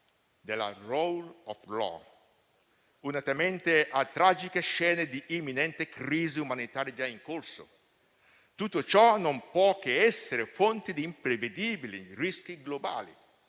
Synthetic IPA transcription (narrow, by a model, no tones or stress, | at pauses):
d̪ela̰rowlɔflɔ̰ | unat̪ament̪eʔat̪ɾad͡ʒikeʃɛːned̪iʔːmːinɛnt̪ekɾiːziumanit̪aːɾjad͡ʒaiŋkorso̰ | t̪ut̪ːot͡ʃɔnompwɔk̟eɛsːeɾefont̪id̪iːmpɾeved̪iːbilirisk̟iɡloba̰ːlḭ